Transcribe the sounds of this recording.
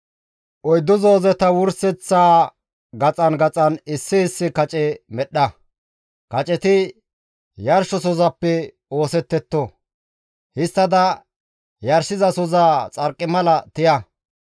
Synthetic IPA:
ʔɔjd̪ːɔzoːzɛt̪ɐwʊɾsɛt͡sːaː | ɡɐt͡sʼɐnɡɐt͡sʼɐnɪsːɪhɪsːɪkɐt͡ʃʼɛmɛɗːɐ | kɐt͡ʃʼɛt̪ɪ | jɐɾʃɔsɔzɐpːɛ | o̞ːsɛt̪ːɛt̪ːɔ | hɪst̪ːɐd̪ɐ | jɐɾʃɪzɐsɔzaːt͡sʼɐɾkʼːɪmɐlɐt̪ɪjɐ

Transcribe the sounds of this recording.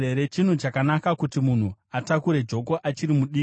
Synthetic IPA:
eɾe̞t͡ʃin̤ut͡ʃakanakakutimun̤uatakuɾe̞d͡ʒo̞ko̞ʔat͡ʃiɾimuɗiː

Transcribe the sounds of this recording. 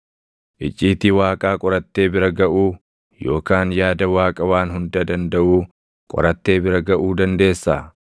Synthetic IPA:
ʔɪt͡ʃʼːiːt̪ɪwaːkʼaːkʼɔɾɐt̪ːe̞ːbɪɾɐɡɐʔuː | jo̞ːkaːnjaːd̪ɐwaːkʼɐwaːnɦʊnd̪ɐd̪ɐnd̪ɐʔuː | kʼɔ̰ɾɐt̪ːe̞ːbɪɾɐɡɐʔuːd̪ɐnd̪e̞ːsːa̰

